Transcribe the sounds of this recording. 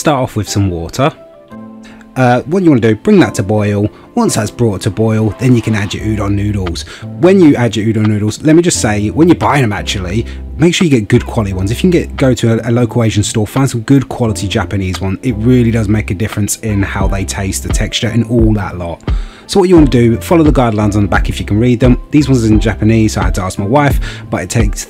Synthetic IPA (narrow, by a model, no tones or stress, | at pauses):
stɑˑtɒfwɪð̥sə̃mwɔˑtʰə | ʌwɒt͡ʃəwɑ̃nədəb̥ɹɪ̃ŋðətʰəbɔɪl̩ˠ | wʌ̃nsðatsb̥ɹɔˑtʰəbɔɪlˠðə̃njəkʰə̃nad͡ʒɪ̰ʔʉːɾn̩nʉːɾl̩ˠz̥wə̃njəad͡ʒɪʔʉːɾnːʉːɾl̩ˠz̥lɛt̚mid͡ʒʌstseɪwə̃njəbaɪɪ̃ŋəma̰t͡ʃlˠi | meɪkʃɔːjəɡɛt̚ɡ̥ʊd̚kʰw̥ɒlətiwʌ̃nzɪfjəɡɛtɡ̥əʊtʰəəələʊkʰəlˠeɪʒə̃nstɔːfãɪ̃nsə̃məɡʊd̚kʰw̥ɒlətʰid͡ʒapəniːzwʌ̃nɪt̚ɹɪːlidʌzmeɪkədɪfɹə̃nsɪ̃nhaʊðeɪtʰeɪst̪ðətʰɛkst͡ʃəɹʔɪ̰̃nɔːlˠðə̰ʔlɒt | səʊwɒt͡ʃəwɑ̃nədəfɒləʊðəɡɑːdˡlãɪ̃nzn̩ðəba̰kɪfjəkʰə̃nɹiːd̪̚ðə̃mðizwʌ̃nzəɪ̃nd͡ʒapəniːz̥səʊaɪhad̚tʰəɑˑsk̚maɪwaɪfb̥ʌtɪtʰeɪks